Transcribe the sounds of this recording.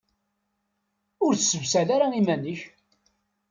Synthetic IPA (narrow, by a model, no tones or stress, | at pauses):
ʊɾθəsəvsælaɾaimænəç